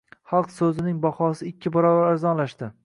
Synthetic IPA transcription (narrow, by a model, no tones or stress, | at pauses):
χɑlˠqsɵzɪnɪŋbahɒsɪɪkʲʰːɪbɒɾɒbaɾaɾzɒnlaʃt̪ɪ